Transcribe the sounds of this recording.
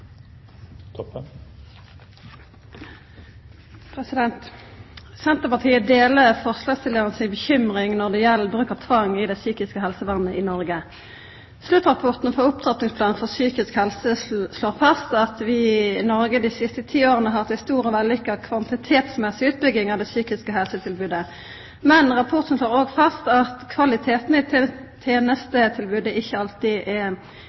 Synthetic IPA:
pʰʁɛsɪd̪ɛnt̪ | sɛnt̪əʁpɑʁt̪ʰiːəd̪eːləfɔʁslɑːst̪ɪlːəʁənəsɪnbəçʏmʁɪŋnɔʁd̪ɛjɛlːəbʁʉːkəʁt̪ʰʋɑŋɪd̪ɛsyːkɪskəɦɛlsəʋɑnːəʔɪnɔʁɡə | slʉt̪ʁɑpʰʊʁt̪n̩fɔʁʊp̚t̪ʰʁɑt̪nɪŋspʰlɑːnfɔʁsyːkɪskhɛlsəsloːʁfɑst̪ɑt̪ʋɪnɔʁɡəd̪ɪsɪst̪ət̪ʰiːoːʁənəɦɑʁt̪ɛst̪uːɾɔʋɛləlʏkːɑkʰʋɑnt̪ɪt̪ʰeːt̪smɛsɪʉːt̪̚bʏɡɪŋɑʋd̪ɛsyːkɪskəɦɛlsət̪ʰɪlbʉːd̪ə | mɛnʁɑpʰʊʁt̪ən̩sloːʁoːɡfɑst̪ɑt̪kʰʋɑlɪt̪ʰeːt̪nəɪt̪ʰeːnəst̪ət̪ʰɪlbʉːd̪əɪçːəɑlt̪ɪʔɛ

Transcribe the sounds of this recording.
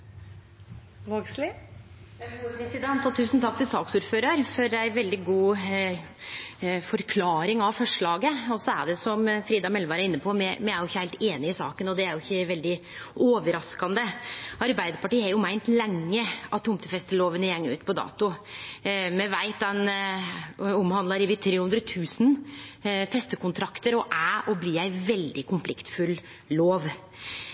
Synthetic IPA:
ʋoɡslɪ | upɾɛsɪd̪ɛnt̪ɔt̪ʰʉːsnt̪ʰɑk̚t̪ɪlsɑːksuːɾføːɾɑɾfɔɾæɪʋɛld̪ɪɡuː | fɔɾkʰlɑːɾɪŋɑʋfɔʂɭɑːɡəɔsɔæ̰ɖɛsɔmfɾiːd̪ɑmɛlʋɑːɾæɾɪnːəpʰɔmɛmɛæɾjʊɪçːəhæɪt̪eːnɪɪsɑ̰ːkənɔd̪ɛæɾjʊɪçːəʋɛld̪ɪ | oːʋəɾɑskɑnd̪əɑɾbæɪd̪əɾpɑʈiːæɾjʊmæɪnt̪lɛŋːəɑt̪ʰːʊmt̪əfɛst̪əloːʋənəjɛŋːʉ̰ːt̪pʰɔd̪ɑ̰ːt̪ʊ | mɛʋæɪt̪dɛn | ɔmhɑnd̪ɑɾiʋɪt̪ʰɾeːhʉnd̪ɾət̪ʰʉːsn̩ | fɛst̪əkʊnt̪ʰɾɑkt̪əɾɔʔæʔɔbliːæɪʋɛld̪ɪkʰʊmflɪkt̪fʉlː | oːʋ

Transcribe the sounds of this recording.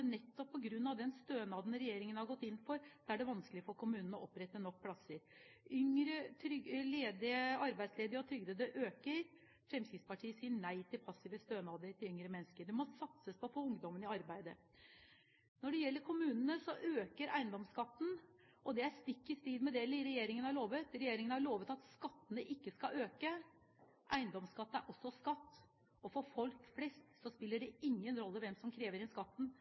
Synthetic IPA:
nɛt̪ːɔpʰːɔɡɾʉnːɑʋd̪ɛnst̪øːnɑːd̪nɾɛjeːɾɪŋənhɑɾɡɔt̪ːɪnːfɔɾd̪ɛæɖɛʋɑnskəlɪfɔɾkʰʊmʉːnən̩ɔʔɔpːɾɛt̪ːənɔk̚ːpʰlɑsəɾʏŋɾət̪ʰɾʏleːd̪ɪəɑɾbæɪd̪sleːd̪ɪəɔt̪ʰɾʏɡd̪eːd̪əʔøːkəɾ | fɾɛmskɾɪt̪spɑʈʰiːəsiːəɳæɪt̪ʰɪlpʰɑsːɪʋəst̪øːnɑːd̪əɾʈ̪ɪlʏŋɾəmɛnːskəɖ̪ɛmɔsɑt̪səspʰɔfɔʊŋd̪ɔmənɪɑɾbæɪd̪ə | nɔɖɛjɛlːəɾkʰʊmʉːnənəsɔʔøːkəɾæɪnd̪ɔmskɑt̪ːn̩ | ɔd̪ɛæɾst̪ɪkːɪst̪iːd̪mɛd̪ɛlɪɾɛjeːɾɪŋənhɑɭoːʋət̪ɾɛjeːɾɪŋənəhɑɭoːʋət̪ɑt̪skɑt̪ːənəʔɪkːəskɑʔøːkə | ʔæɪnd̪ɔmskɑt̪ːəæɾʔɔsːɔskɑt̪ː | ɔfɔɾfɔlkflɛst̪sɔspɪlːəɖɛɪŋːənɾɔlːəʋɛmsɔmkʰɾeːʋəɾɛnskɑt̪ːn̩

